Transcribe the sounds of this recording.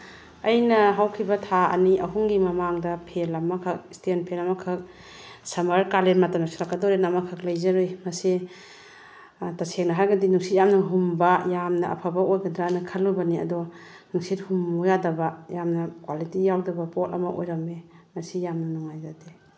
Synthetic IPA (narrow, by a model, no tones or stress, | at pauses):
ɐjnɐɦawkʰibɐtʰaɐ̰niʔɐɦuŋɡimɐmaŋdɐpʰelɐmakʰɐk̚stenpʰelɐmɐkʰɐk̚ | sɐmɐɾkalenmatamnasiɾakːadɔɾenamɐkʰɐk̚lajzaɾojmɐsi | tasʰek̚nɐɦajɡɐdinuŋsit̚jamnɐɦumbɐjamnɐɐ̰pʰabaojɡɐdɾanɐkʰɐlːubɐniɐ̰dɔ | nuŋsit̚humujadɐbɐjamnɐkwalitijawdɐbɐpɔtɐ̰mɐʔo̰jɾɐmemɐsijamnɐnɔŋajzade